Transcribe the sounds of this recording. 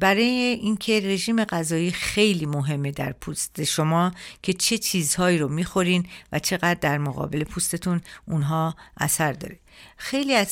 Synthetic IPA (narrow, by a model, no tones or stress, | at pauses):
bæɾɒːjeʔiːncʰe̞re̞ʒiːme̞ɣæzɒːjiːxejliːmoɦe̞mːe̞d̪æ̰ɾpʰust̪e̞ʃo̞mɒːcʲʰe̞t͡ʃʰe̞t͡ʃʰiːzhɒːiːɾomiːxo̞ɾinvæt͡ʃʰe̞ɣæd̪ːæɾmoɣɒ̰ːbe̞le̞pʰust̪e̞t̪ʰununɦɒːʔæ̰sæɾd̪ɒ̰ːɾexe̞jliːæz